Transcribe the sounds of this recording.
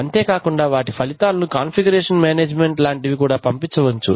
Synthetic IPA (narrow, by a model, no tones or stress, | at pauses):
ɐnt̪eːkaːkuɳɖaːʋaːʈipʰɐlit̪aːlːukaːnpʰiɡɐɾeːʂɐnmaːneːd͡ʒmeɳʈlaːɳʈiʋikuːɽaːpɐmpit͡ʃːɐʋɐt͡ʃːu